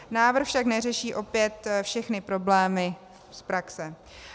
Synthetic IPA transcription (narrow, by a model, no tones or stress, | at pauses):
naːvr̩xfʃaknɛrɛʃiːʔo̞pjɛt̪fʃɛxnɪpɾo̞blɛːmɪ | spɾaksɛ